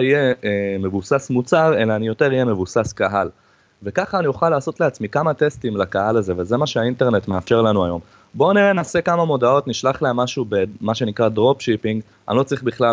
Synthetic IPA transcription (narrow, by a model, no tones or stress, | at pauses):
ijeme̞vusasmut͡saʁe̞laːnijo̞te̞ʁijeme̞vusaskaɦal | ve̞kaχaːnijuχalːaːso̞tleat͡smikamat̪e̞stimlakaɦalaze̞veze̞maʃeainte̞ʁne̞tmeafʃe̞ʁlanuajo̞m | bo̞niʁenaːse̞kamamo̞dao̞tniʃlaχleamːaʃube̞maʃe̞nikʁadʁo̞pʃipiŋɡ | a̰nilo̞t͡sʁiχbiχla